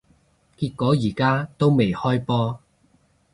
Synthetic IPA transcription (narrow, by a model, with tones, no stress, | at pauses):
kiː˧t̚kɔː˨˥jiː˨˩kaː˥t̪o˥wme˨˩jhɔː˥jpɔː˥